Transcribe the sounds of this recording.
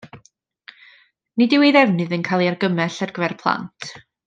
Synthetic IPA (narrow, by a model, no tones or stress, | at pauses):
nidɪwejðɛvnɨðənkʰalˠiarɡəmɛɬarɡ̥vɛrpʰlˠa̰ntʰ